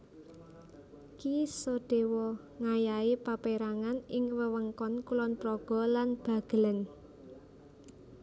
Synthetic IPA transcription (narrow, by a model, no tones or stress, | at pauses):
kisɔɖ̥e̤wɔ | ŋajaipapeɾaŋanɪŋwəwəŋkɔnkulɔnpɾɔɡ̥ɔ̤lanb̥ä̤ɡ̥ə̤lən